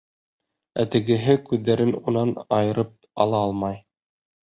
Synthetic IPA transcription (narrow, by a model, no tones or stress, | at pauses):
æt̪ɘ̆ɡɘ̆ɦɘkʉðːæɾɘnunɑnɑjɤ̆ɾɤp̚ɑ̰lˠɑɑlˠmɑj